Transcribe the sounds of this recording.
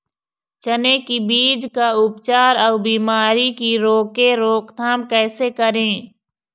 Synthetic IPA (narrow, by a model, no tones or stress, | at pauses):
t͡ʃənekibiːd͡ʒkaʊpt͡ʃaːɾɔːbiːmaːɾikiɾoːkeɾoːkt̪ʰaːmkɛːsekəɾẽː